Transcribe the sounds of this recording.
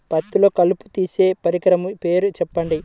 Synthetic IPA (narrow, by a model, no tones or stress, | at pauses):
pɐt̪ːulo̞ːkɐlupu̥t̪iːse̞ːpɐɾikɐɾɐmupe̞ːɾut͡ʃɛpːɐɳɖi